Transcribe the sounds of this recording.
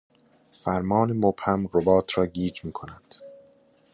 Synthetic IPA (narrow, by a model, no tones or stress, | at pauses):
fæɾmɒːnemobhæmɾobɒːt̪ʰɾɒːɡiːd͡ʒmiːkʰonæd̪̥